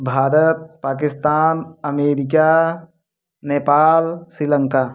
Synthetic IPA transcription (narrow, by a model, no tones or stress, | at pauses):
bʱaːɾət̪̚paːk̬ɪst̪aːnɐmeːɾɪk̬a | neːpaːlsɾiləŋkaː